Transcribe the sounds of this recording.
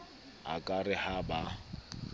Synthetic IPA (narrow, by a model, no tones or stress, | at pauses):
a̰kʼarɪhaba